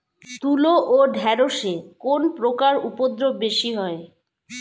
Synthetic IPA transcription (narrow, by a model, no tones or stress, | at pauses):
t̪uloʔoɖʱɛɾoʃekonpɾokaɾupod̪ɾobbeʃiɦɔe